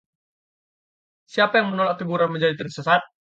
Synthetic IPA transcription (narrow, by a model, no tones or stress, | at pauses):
siapajaŋmənolak̚t̪əbuɾanməɲd͡ʒadit̪ərsəsat̪̚